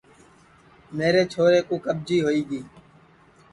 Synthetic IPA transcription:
meːɾeːt͡ʃʰoːɾeːkũːkəb̚d͡ʒiːɦoːiːɡiː

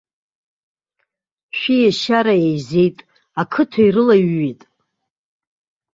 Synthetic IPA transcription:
ʃᶣijaʃaɾaejzejtʼ | akʰɨtʰaiɾɨlaɥːitʼ

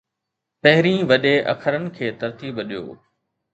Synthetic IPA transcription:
pɐɦɪɾĩːʋɐɗeʔɐ̰kʰəɾənɪ̆kʰeːt̪ɐɾt̪iːbəɗijo̰ː

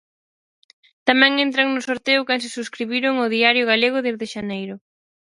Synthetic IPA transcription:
t̪amɛ̃ŋent̪ɾaŋnʊsoɾt̪eʊkans̬ɪsuskɾiβiɾʊŋoðiaɾjʊɣ̞aleɣ̞ʊðezðɪʃanejɾʊ

